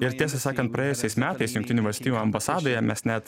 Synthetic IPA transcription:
ɪɾt̪ʲiɛsɐsɑːkɐnt̪̚pɾɐjeːjʊsʲɛɪsmʲæːt̪ɐɪsjʊŋkt̪ʲɪnʲuːʋɐlʲsʲt̪ʲiːjuːɐmbɐsɑːd̪oːjɛmʲɛsnʲæt̪

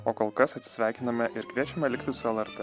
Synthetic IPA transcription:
oːkoːlˠkɐsɐt̪sʲɪ̥sʲʋʲæˑɪkʲɪnɐmʲɛʔɪɾkʋʲiɛt͡ʃʲɛmʲɛlʲɪkt̪ʲɪsʊɛlˠɛɾt̪ɛ

